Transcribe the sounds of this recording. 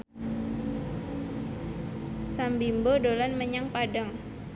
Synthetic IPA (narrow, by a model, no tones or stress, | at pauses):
sambimbodolanməɲaŋpadaŋ